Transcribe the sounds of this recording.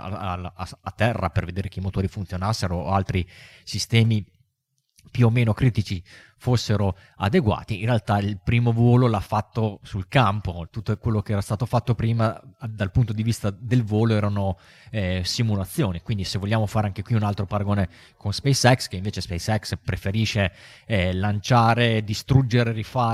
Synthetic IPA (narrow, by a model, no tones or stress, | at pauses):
a̰alaat̪ːɛrːaperved̪eːɾekeimot̪oːɾifunt̪sjonasːeɾoalt̪ɾi | sist̪ɛːmi | pjuomːeːnokɾiːt̪it͡ʃi | fosːeɾo | a̰d̪eɡwa̰ːt̪iːnrealt̪ailpɾiːmovɔːlolafːat̪ːosulkampot̪ut̪ːokwelːokeɛːɾast̪aːt̪ofat̪ːopɾiːmad̪alpunt̪od̪ivist̪ad̪elvɔːloɛːɾano | ɛsimulat̪sːjoːnikwind̪isevolʎjaːmofaːɾeaŋkekwiunalt̪ɾopaɾaɡoːne | konspɛjsɛkskeĩɱveːt͡ʃespɛjsɛkspɾefeɾiːʃe | lant͡ʃaːɾed̪ist̪ɾud͡ʒeɾeɾifaː